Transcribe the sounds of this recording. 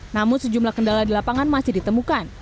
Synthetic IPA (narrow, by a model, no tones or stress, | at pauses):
namʊnsəd͡ʒumlahkəndaladilapaŋanmasɪhdit̪əmukan